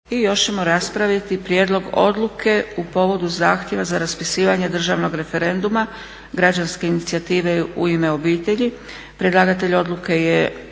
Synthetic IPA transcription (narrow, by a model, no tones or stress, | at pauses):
ijo̞ʃt͡ʃemo̞ɾaspɾaʋjat̪ipɾjeːd̪lo̞ɡo̞̰d̪lukʰe̞upo̞ʋo̞d̪uzaːxt̪je̞ʋazaɾaspisiːʋaɲe̞d̪r̩ʒaːʋno̞ɡɾe̞fe̞ɾe̞nd̪uma | ɡɾad͡ʑanskeinit̪siat̪iːʋe̞ṵime̞o̞biːt̪e̞ʎi | pɾed̪lˠaːɡat̪e̞ʎo̞d̪luke̞je